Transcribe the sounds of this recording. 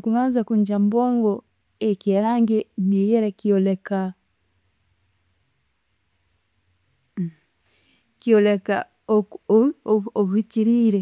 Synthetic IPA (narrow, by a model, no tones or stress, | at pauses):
kuβaːnzakuɲd͡ʒamboːŋɡo | ekjeɾaːŋɡenijeɾekioleka | kioleka | o | oβuiciɾiːɾe